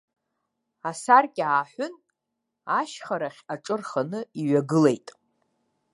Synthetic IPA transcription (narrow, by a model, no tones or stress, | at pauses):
asarkʲʼaːħʷʊn | aʃχaɾaχʲaʈ͡ʂʼɨrχanɨiɥaɡɨle̞jtʼ